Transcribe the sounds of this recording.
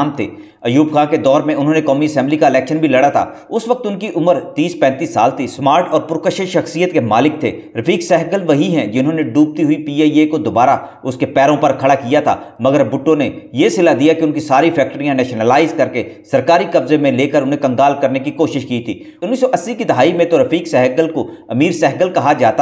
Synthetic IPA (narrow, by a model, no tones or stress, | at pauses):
mt̪ʰḛː | ɐjuːbxãːked̪ɔːɾmẽʊnɦõːnekɔːmiɐsɛ̃mblikaɪlɛːkʃənbʱilɐɽat̪ʰa̰ː | ʊsʋɐk̚t̪ʊnkiʔʊməɾt̪iːspɛ̃ːnt̪iːsːa̰ːlt̪ʰismaːɾʈɔːɾpʊɾkəʃəʃɐxsijət̪kemaːlɪk̚t̪ʰe | ɾɐfʰiːksɛːɦɡəlʋɐɦiɦɛ̃d͡ʒɪnɦõneɖuːp̚t̪iɦʊipiːeːjekod̪obaːɾa | ʊskepɛːɾõpɐɾkʰɐɽakijat̪ʰa̰ːmɐɡəɾbʊʈːõnejesɪlad̪ijakeʊnkisaːɾifʰɛːk̚ʈɾijãnɛːʃnəlaːɪzkɐɾkesɐɾkaːɾikɐbzemẽleːkəɾʊnɦẽkɐ̃ŋɡaːlkɐɾnekikoːʃɪʃkiːt̪ʰḭː | ʊnːisɔʔɐsːikid̪ɐɦaːimẽt̪oɾɐfiːksɛːɦɡəlkoɐmiːɾsɛːɦɡəlkɐɦad͡ʒaːt̪a